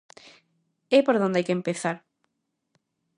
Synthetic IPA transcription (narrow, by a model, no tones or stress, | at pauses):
ɛpoɾðõnd̪ajkempeθaɾ